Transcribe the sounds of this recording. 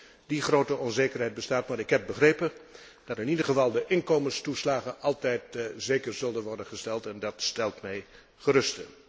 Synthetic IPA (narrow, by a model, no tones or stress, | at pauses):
diχrowtəʔɔnzejkərɦɛjt̚bəstaːtmaːɾɪkɦɛp̚bəχrejpən | d̥ɑtɪnidəχəvɑlˠdəʔɪnkowmənstuslaːχənʔɑlˠtɛjtzejkəɹzɵlˠdənʋɔɹdənχəstɛlˠtɛndɑtstɛlˠtmɛj | χəɾɵstə